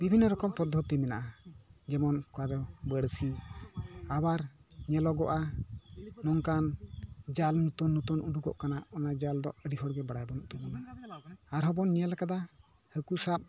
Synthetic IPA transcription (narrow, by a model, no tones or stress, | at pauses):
bibʱinːɔɾɔkɔmpɔd̪ʱːɔt̪imɛna̰ʔad͡ʒɛmɔnkɔad̪ɔbəɽsi | abaɾɲɛlɔɡɔ̰ʔaː | ɔŋkand͡ʒalnut̪ɔnːut̪ɔnuɖuɡɔ̰ʔkanaɔnad͡ʒald̪ɔəɖiɦɔɽɡɛbaɽajbɔnɔʔt̪ubɔnaaɾɦɔbɔnːijalakad̪a | həkusap̚